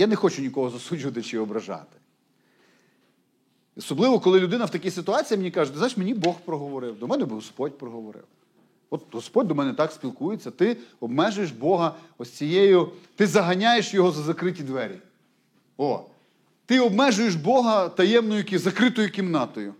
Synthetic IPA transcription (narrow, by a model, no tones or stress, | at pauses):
janexɔt͡ʃʊnʲikɔɦɔzɐsud͡ʒʲʊʋɐt̪ɪt͡ʃɪɔbɾɐʒɑ̰t̪ɪ̥ | ɔsɔblˠɪʋɔkɔlˠɪlʲʊd̪ɪnɐwt̪ɐkʲijsɪt̪ʊɑt͡sʲijimenʲikɑʒɛt̪ɪznajɪʃmenʲibɔxpɾɔɦɔʋɔɾɪwd̪ɔmɛnɛbɪɦɔspɔdʲpɾɔɦɔʋɔɾɪ̰w | ɔt̪̚ɦɔspɔdʲd̪ɔmɛnɛt̪ɑksʲpʲilˠkujet͡sʲːɐt̪ɪɔbmɛʒʊjeʃbɔɦɐ | ɔsʲt͡sʲijejʊt̪ɪzɐɦɐnʲajeʃjɔɦɔzɐzɐkɾɪtʲid̪ʋɛɾʲi | ɔ | t̪ɪɔbmɛʒʊjeʃbɔɦɐt̪ɐjɛmnɔjʊkʲzɐkɾɪt̪ɔjʊkʲimnɑt̪ɔjʊ